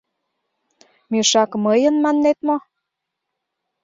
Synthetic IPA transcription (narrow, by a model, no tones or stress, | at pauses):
myʃɑkməjənmɑnːet̪mo